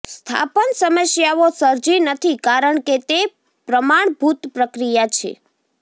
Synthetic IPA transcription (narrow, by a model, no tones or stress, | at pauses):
st̪ʰa̰pənsəməsjaʋosəɾd͡ʒinət̪ʰikaɾəɳket̪e | pɾəmaɳbʱut̪pɾəkɾijat͡ʃʰḛ